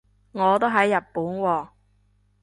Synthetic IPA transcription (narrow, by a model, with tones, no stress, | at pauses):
ŋɔː˨˧t̪o˥ɦɐ˨˥jːɐ˨t̚pːuː˨˥nwɔː˧